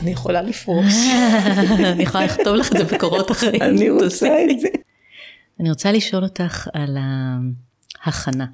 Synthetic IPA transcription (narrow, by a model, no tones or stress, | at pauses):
anijeχolalifʁo | nijeχolaliχto̞vlaχezebekoʁotaχʁeianiosaeze | aniʁot͡saliʃo̞lo̞taχala | haχana